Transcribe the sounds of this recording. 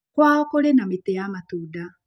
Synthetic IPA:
kwaːɔkoɾenametejamatuːda

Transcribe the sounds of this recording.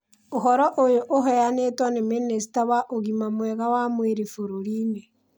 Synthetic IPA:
oɦɔɾɔʔojoʔoɦɛanetwɔneminesi̥taβaʔoɣimamwɛɣawamweɾefoɾoɾiːne

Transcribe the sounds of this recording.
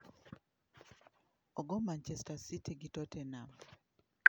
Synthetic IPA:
ɔɡɔmant͡ʃɛstasitiɡitɔtɛnam

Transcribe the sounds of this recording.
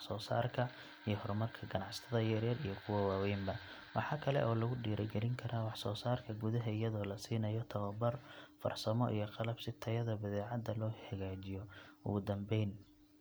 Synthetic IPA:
sɔːsa̰ːrkʰɐ | ijɞhɔɾmɐrkʰɐɡɐnɑʕsɐ̥t̪ʰɐðɐjɛɾjɐrijɞkʰʊwɐwaːwɛjmbɐ | wɑħɑːkʰɐlɛ̰ʔɔːlɐɣʊɖiːɾʔɛɡɛlɪŋkʰɐɾʔaːwɑħsɔːsaːrkʰɐɡʊðɐɦɐɪjɐðɔːlɐsiːnɐjɔt̪ʰɐwɐbɐrfɐ̰rsɐmɔ̰ʔḭjɞqɑlɐbsɪt̪ʰɐjɐðɐbɐðɛːʕɑd̪ɐlɔːħɐɣaːt͡ʃɪjɔʊ̰ɣʊd̪ɐmbɛjn

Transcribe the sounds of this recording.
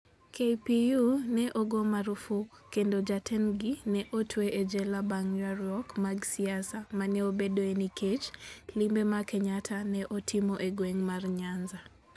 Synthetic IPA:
kʰejpijunɛʔoɡɔmaɾufukendod͡ʒatʰɛnɡinɛʔotʰweʔed͡ʒɛlabaŋjwaɾjɔkmaɡsiasamanɛobedoenikʰet͡ʃlimbemakɛɲatʰanɛʔotʰimoʔeɡweŋmarɲanza

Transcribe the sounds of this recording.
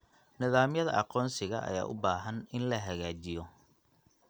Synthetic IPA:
nɪðaːmjɐðɐ̰ʔɑqɔːnsɪɣɐ̰ʔɐ̰ja̰ːʔʊ̰baːɦɐnɪnlɐɦɐɣaːt͡ʃɪjɔ

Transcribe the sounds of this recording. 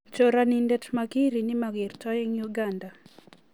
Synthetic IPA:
t͡ʃoɾanindɛtmakiɾinɪmaɡɪrtɔjiŋjuɡanda

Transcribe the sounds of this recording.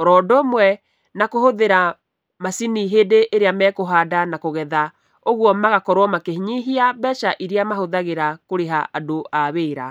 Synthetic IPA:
ɔɾɔːdomwɛ | nakohoðeɾa | masiniɦeːdeʔeɾeamɛːkoɦaːdanakoɣɛða | oɣwɔmaɣakɔɾwɔmakehiɲiɦiabɛːʃaʔiɾeamahoðaɣeɾakoɾeɦaʔadoʔaβeːɾa

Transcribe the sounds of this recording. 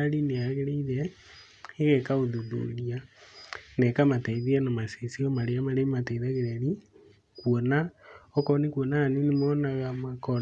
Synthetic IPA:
ɾineaɣeɾeiðɛ | eɣɛkaoðuðo̰ɾia | nɛkamatɛiðianamasesiɔmaɾeamaɾematɛiðaɣeɾɛɾi | kwɔnaɔkɔnekwɔnaanonemɔːnaɣamakɔ

